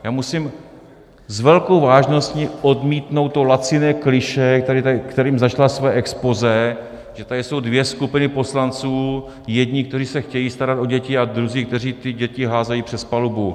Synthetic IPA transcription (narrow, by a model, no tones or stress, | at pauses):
jaːmusɪm | zvɛlko̞wvaːʒno̞sciʔodmiːt̪no̞wt̪ːolat͡sɪnɛːklɪʃɛkt̪aɾɪt̪akt̪ɛɾiːmzat͡ʃlasvɛːʔɛkspozɛ | ʒɛt̪adɪso̞wdvjɛskupɪnɪpo̞slant͡suː | jɛdɲɪkt̪ɛriːsɛxcɛjiːst̪aɾat̪o̞ɟɛcɪad̪ɾuziːk̚t̪ɛriːt̪ɪɟɛcɪɦaːzajiːpr̥ɛspalubu